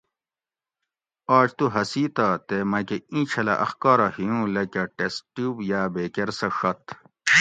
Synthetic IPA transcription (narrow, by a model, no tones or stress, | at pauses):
aːt͡ɕt̪uɦɐsiːt̪at̪emɐkeĩːt͡ɕʰɐlɐ̰ʔɐ̰xkaːɾɐhiũlɐkɐʈesʈubjaːbeːkeɾsɐʂɐt̪